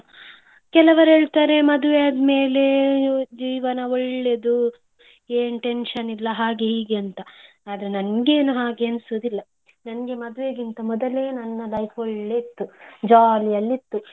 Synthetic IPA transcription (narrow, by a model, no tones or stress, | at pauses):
kɛlɐʋɐɾeːɭt̪aːɾe̞mɐd̪uʋeɐd̪me̞ːle̞d͡ʒiːʋɐnɐoɭːe̞d̪u | eːnʈe̞nʂɐnilːɐɦaːɡeɦiːɡeɐnt̪ɐ | aːd̪ɐɾe̞nɐnɡe̞ːnuɦaːɡeɐnsuːd̪ilːɐ | nɐnɐɡe̞mɐd̪uʋeɡint̪ɐmɔd̪ɐleːnɐnːɐlɐjfʰoɭːeit̪ːud͡ʒaːlijɐlːit̪ːu